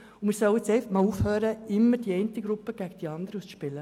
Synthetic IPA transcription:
ʊmɪːɾsœʊɪt͡sɛɪfəχmɑːluːfhøːɾəɪmːəɾd̥iɛɪnt̪əɡɾupːəɡ̥æɡ̥əd̥iɑnd̪əɾəusʃpɪlə

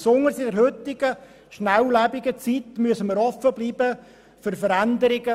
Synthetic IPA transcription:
sʊŋəɾsɪdɛɾhʏt̪ɪɡ̥ə | ʃnæwlæbɪɡət͡sit̪myəsəməɾɔfəbliːbə | fʏɾfəɾænd̪əɾɪɡə

